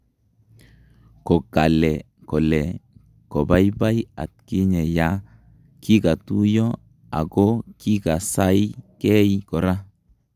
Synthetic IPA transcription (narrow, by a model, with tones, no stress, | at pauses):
kɔ˨ka˨lɛ˨ | kɔ˨lɛ˨ | kɔ˨ba˦jba˦ja̰˨t̚ki˦ɲɛ˨ja˨˦ | ki˦ka˨tu˦jɔ˦ | a̰˨ɡɔ˦ki˦ka˨sa˦jkɛ˦jikɔ˨ɾa˦